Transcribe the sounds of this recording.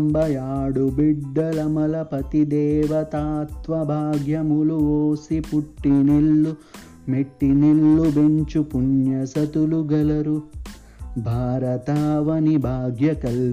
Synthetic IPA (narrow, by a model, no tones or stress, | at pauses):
mbɐjaːɽubiɖːɐlɐmɐlɐpɐt̪id̪ɛːʋɐt̪aːt̪ʋɐbʱaːɡjɐmuluʋoːsipuʈːinilːu | meʈːinilːubeɲt͡ʃupunjɐsɐt̪uluɡɐlɐɾu | bʱaːɾɐt̪aːʋɐnibʱaːɡjɐkɐl